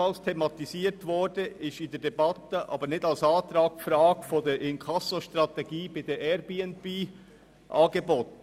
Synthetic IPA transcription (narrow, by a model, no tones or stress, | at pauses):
ɑlstʰemɑt̪iziːɾtvɔɹd̥əʔɪʃɪndɛdɛbɑt̪əʔɑ̰ːbənɪtɑlsɑːt̪ɾɑːk̚fɾɑːɡfodeːɾʔɪnkʰɑsoʃtɾɑt̪ɛɡiːbaɪd̥eːʔɛɾbiːɛnb̥iː | ʔɑːɡəbot̚n